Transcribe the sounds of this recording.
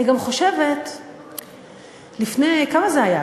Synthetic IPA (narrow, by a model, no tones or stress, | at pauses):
iɡamχo̞ʃevet | lifnejkamazeaja